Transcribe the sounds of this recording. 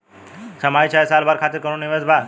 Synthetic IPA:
t͡ɕamajt͡ɕʰajsalbaɾkʰat̪iɾkəɾũnniʋed͡zbʱa

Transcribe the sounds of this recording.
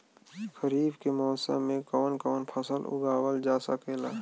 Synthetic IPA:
xəɾiːbkemɔːsa̰mẽkɔːnkɔːnpʰəsəlʊ̰ɡaːwəld͡ʒaːsakʰeːlaː

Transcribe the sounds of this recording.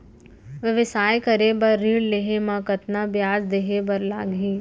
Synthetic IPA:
ʋəʋɪsaːjkɐɾebɐɾːiːɽleːɦemãkɐt̪nabjaːd͡ʒd̪eːɦebɐɾlaːɡɦiː

